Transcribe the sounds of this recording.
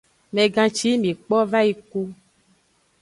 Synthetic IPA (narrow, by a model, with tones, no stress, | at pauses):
mɛ̃˨ɡã˨t͡ʃi˦mĩ˨k͡pɔ˦va˦i˨ku˦